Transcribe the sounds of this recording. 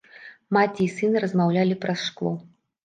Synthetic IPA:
mat͡sʲiːsɨnɨɾɐzmawlʲalʲipɾɐsʂklˠɔ

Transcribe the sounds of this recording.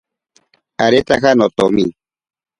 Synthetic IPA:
aɾet̪akanot̪omi

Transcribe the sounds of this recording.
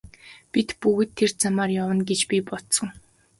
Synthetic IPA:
pʲit̪puɣɘ̆t̪ʰːert͡samaːrjawə̆nɡet͡ɕpʲipɔt̪sə̆ŋ

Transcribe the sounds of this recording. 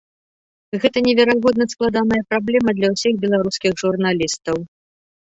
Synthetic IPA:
ɣɛt̪ɐnʲɛvʲɛɾaɣɔd̪nɐsklˠad̪anɐjɐpɾablʲɛmɐd̪lʲɐwsʲiɣbʲɛlˠaɾuskʲiɣʐurnalʲist̪ɐw

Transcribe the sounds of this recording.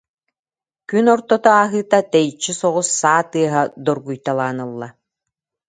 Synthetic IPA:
kynɔɾt̪ɔt̪ɔaːɦɯːt̪at̪ɛjt͡ɕːisɔʁusːaːt̪ɯɐɦad̪ɔɾɡujt̪alˠaːnɯlˠːa

